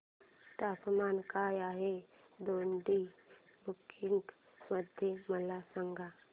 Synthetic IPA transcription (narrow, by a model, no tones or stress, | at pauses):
t̪aːpmaːnkajaːɦe | d̪oːnɖ̪i | bukʰɪŋɡ | məd̪ʱjeməlasəŋɡʱa